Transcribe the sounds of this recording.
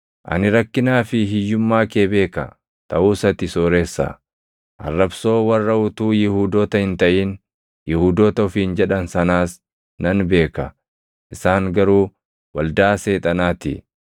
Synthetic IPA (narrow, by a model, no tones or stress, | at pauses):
ʔɐ̰nɪɾɐkːɪnaːfɪɦɪjːʊmːaːkeːbe̞ːkɐ | t̪ʰɐʔuːsɐt̪ɪsoːɾeːsːɐ̰ | ʔɐ̰rːɐbso̞ːwɐrːɐʊt̪uːjɪhuːd̪oːt̪ɐhɪnt̪ɐʔiːn | jɪhuːd̪oːt̪ɐʊfiːnd͡ʒɛᶑɐnsɐnaːs | nɐnbe̞ːkɐ | ʔɪsaːŋɡɐɾuː | wɐld̪aːse̞ːt̪ʼɐnaːt̪ɪ̰